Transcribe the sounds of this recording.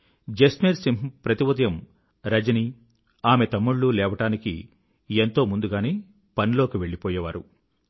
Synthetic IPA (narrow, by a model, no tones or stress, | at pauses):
d͡ʒesmiːɾsimɦpɾɐt̪iʋɐt̪ɐjɐm | ɾɐd͡ʒɐni | aːme̞t̪ɐmːuɭːulɛːʋɐʈaːnikḭ | ent̪o̞ːmund̪uɡaːneː | pɐnilo̞ːkiʋe̞ɭːipɔːjɐʋaːɾṵ